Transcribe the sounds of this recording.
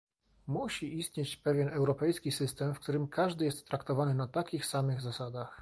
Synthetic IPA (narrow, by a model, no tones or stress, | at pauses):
muɕiʔist̪ʲɲet͡ɕpɛvʲjɛnɛwɾɔpɛjskʲisɘst̪ɛmfk̚t̪uɾɘmkʰaʐd̪ɘjɛst̪ːɾakt̪ɔvanɘnat̪akʲixsamɘɣzasad̪ax